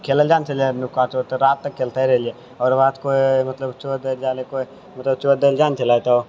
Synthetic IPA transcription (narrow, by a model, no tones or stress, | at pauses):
kʰeːləld͡ʒaːnt͡ʃɐlenʊkaːt͡ʃot̪oɾaːt̪ːɐkʰːeːlt̪aɦɛɾɛɦlie | ɔːɾʋaːt̪koːimɐt̪ləbt͡ʃoːd̪eld͡ʒaːlekoi | mɐt̪ləbt͡ʃoːd̪eld͡ʒaːnt͡ʃɐlaːjt̪aoː